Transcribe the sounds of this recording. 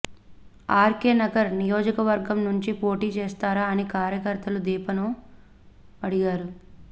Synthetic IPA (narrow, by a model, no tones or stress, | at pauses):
aːɾkeːnɐɡɐɾnijoːd͡ʒɐkɐʋɐɾɡɐmnuɲt͡ʃipo̞ːʈiːt͡ʃeːst̪aːɾaːnikaːɾjɐkɐɾt̪ɐlud̪iːpɐnoː | ɐɽiɡaːɾu